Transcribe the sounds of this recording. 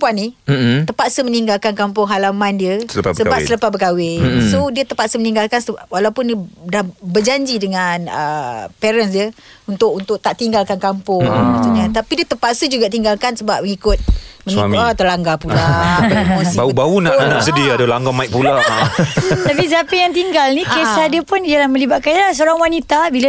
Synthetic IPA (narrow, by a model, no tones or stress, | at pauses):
mpuanit̪əpat̪səməniŋɡalkankampʊŋɦalamandiəsəasəbasələpasbəkawɪsodiət̪əpat̪səməniŋɡalkansəwalawpʊndiədahbərd͡ʒaɲd͡ʒidəŋanə̰pɛɾənsdiə | unt̪ʊk̚unt̪ʊk̚t̪aʔt̪iŋɡalkankampʊŋŋmat̪uɲat̪apidiət̪əmpat̪səd͡ʒuɡaʔt̪iŋɡalkansəbap̚məŋikʊt̪̚məŋiat̪əlaŋɡapulamoiaubaunaʔnaʔsədidalaŋɡamaik̚pula | t̪apis̬əapijaŋt̪iŋɡalnikesadəpʊnd͡ʒalamə̃libat̪̚kanlas̬əoɾaŋwanit̪abila